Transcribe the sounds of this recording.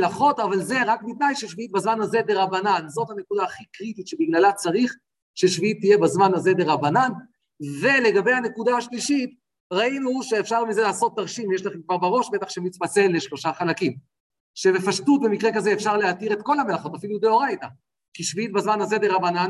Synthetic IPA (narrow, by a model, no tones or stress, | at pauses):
laχo̞tavalze̞ʁakmit̪najʃeʃviit̪̚bazmanhaze̞d̪eʁabananzo̞t̪hane̞kud̪aːχikʁit̪itʃe̞biɡlalat͡saʁiχ | ʃeʃviit̪ːije̞bazmanhaze̞d̪eʁabanan | ve̞le̞ɡabe̞jhane̞kud̪ahaʃliʃit | ʁainuʃe̞ːfʃaʁmize̞laːso̞t̪̚ːaʁʃimjeʃlaχemkvaʁbaʁo̞ʃbe̞t̪aχʃemitbat͡se̞lːeʃlo̞ʃaχalakim | ʃebe̞faʃtut̪̚be̞mikʁekazeːfʃaʁleat̪iʁet̪ko̞lhame̞laχo̞t̪afiludeoʁajt̪a | kiʃviit̪bazmanhaze̞d̪eʁabanan